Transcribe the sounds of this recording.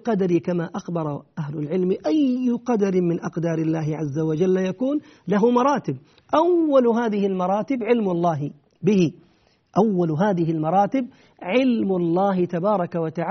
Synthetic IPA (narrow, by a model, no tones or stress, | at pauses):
qɑd̪aɾikamaʔaxbɑɾˤɑʔaɦlʊlʕɪlmʔajːʊqɑd̪aɾɪmɪnʔɑqd̪ɑːɾɪlːaːɦɪʕazːawad͡ʒalːajakuːn | laɦʊmɑɾˤɑːt̪ɪb̚ | ʔawːalɦaːðɪhɪlmɑɾˤɑːt̪ɪbʕɪlmalˤːɑːɦɪ | bɪhɪ | ʔawːalɦaːðɪɦɪlmɑɾˤɑːt̪ɪb̚ | ʕɪlmlˤːɑːhɪt̪abɑːɾˤɑkawat̪aʕ